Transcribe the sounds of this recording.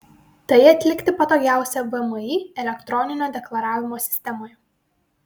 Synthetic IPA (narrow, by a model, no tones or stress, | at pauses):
t̪ɐɪɐt̪ʲlʲɪkt̪ʲɪpɐt̪oːɡʲæˑʊsʲɛbɨɛmiːɛlʲɛkt̪ɾɔnʲɪnʲoːd̪ʲɛklˠɐɾɑːʋʲɪmoːsʲɪ̥sʲt̪ʲɛmoːj